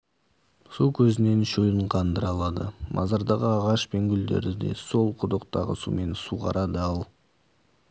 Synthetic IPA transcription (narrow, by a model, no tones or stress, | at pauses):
sukʲʰɵzɪne̞nʃojəɴqʰɑnd̪əɾɑlˠɑd̪ə̰mʔɑ̰zɑɾd̪ɑʁəɑʁɑʃpe̞ŋɡʲʏld̪e̞̰ɾd̪ɪd̪e̞̰so̞lˠqʰʊd̪əqt̪ɑʁə̰sṵme̞nsuʁɑ̰ɾʔɑd̪əɑlˠ